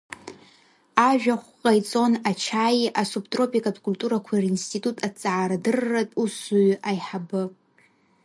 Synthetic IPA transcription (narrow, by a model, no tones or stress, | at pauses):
aʒᶣaχʷqʼajt͡sʼo̞nat͡ʃʰaːjiʔasuptʼro̞pʼikʼatʰʼkʼulʲtʼuɾakʷʰarinstʰʼitʼutʼat͡sʼaʕːɾadɨrːatʼusuɥajħabɨ